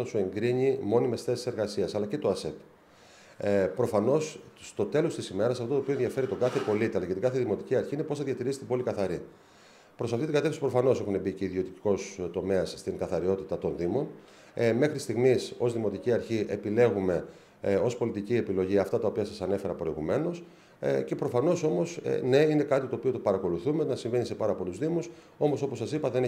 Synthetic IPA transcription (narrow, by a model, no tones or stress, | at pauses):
ɐsue̞ŋɡɾiɲimo̞nime̞sθe̞si̥se̞ɾɣɐsiɐsɐlɐce̞t̪o̞ɐse̞t̪ | pɾo̞fɐno̞sst̪o̞t̪e̞lo̞st̪isime̞ɾɐsɐft̪ot̪oioenðʝɐfe̞ɾit̪o̞ɡɐθe̞po̞lit̪iɐlɐcet̪iŋɡɐθeðimo̞t̪iciɐɾçiine̞po̞sθɐðjɐt̪iɾisi̥t̪ibo̞likɐθɐɾi | pɾo̞sɐft̪it̪iŋɡɐt̪e̞fθisipɾo̞fɐno̞se̞xunebice̞iðiot̪iko̞st̪o̞me̞ɐsst̪iŋɡɐθɐɾio̞t̪it̪ɐt̪o̞nðimo̞n | me̞xɾitist̪iɣmiso̞zðimo̞t̪iciɐɾçiʔe̞pile̞ɣume̞ | o̞spo̞lit̪icie̞pilo̞ʝiɐft̪ɐt̪ɐo̞piɐsɐsɐne̞fe̞ɾɐpɾo̞iɣume̞no̞s | ce̞pɾo̞fɐno̞so̞mo̞sne̞ine̞kɐt̪it̪o̞ːpio̞t̪opɐɾɐko̞luθume̞nɐsiɱve̞nise̞pɐɾɐpo̞luzðimus | o̞mo̞so̞po̞sːɐsipɐðe̞n